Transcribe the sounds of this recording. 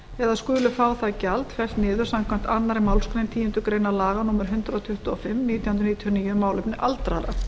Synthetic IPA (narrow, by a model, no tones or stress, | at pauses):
ɛðaskʏːlʏfaːwθaðcalt̪kʰvɛst̪nɪːðʏ̥samkʰvam̥t̪anːaɾɪmaːwlskɾejnt̪ʰiːjɪnt̪ʏkɾejnalaːɣanuːmɛɾ̥ɦʏnt̪ɾat̪ʰʏht̪ʊɔfɪmniːt̪jawʏnɾniːt̪ʰjɔniːjʏmːaːwlʏpnɪʔalt̪ɾa̰ɾa̰